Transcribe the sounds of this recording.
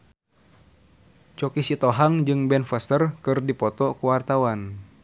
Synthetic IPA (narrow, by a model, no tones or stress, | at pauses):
t͡ʃɔkisit̪ɔɦaŋd͡ʒɨŋbɛnfəst̪ərkɨrdipɔt̪ɔkuwart̪awan